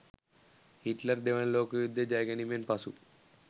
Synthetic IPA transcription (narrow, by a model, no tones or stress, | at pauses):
hiʈləɾd̪eʋəɳ̃loːkjud̪ʱːjəd͡ʒajɡɐnimenpɐsu